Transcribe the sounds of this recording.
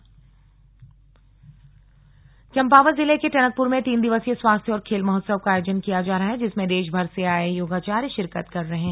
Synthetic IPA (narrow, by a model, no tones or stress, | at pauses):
t͡ʃɐ̃mpaːʋəɾzɪlekeʈɛnək̚pʊɾmẽt̪iːnd̪ɪʋəsjeswaːst̪ʰjɔːɾkʰeːlmʊɦət̪səb̚kaaːjoːd͡ʒənkijad͡ʒaːɾɐɦaɦɛd͡ʒɪsmẽd̪eːʃbʱɐɾseaːejoːɡat͡ʃaːɾjʃɪɾkət̪kɐɾːɐɦɛ̃ː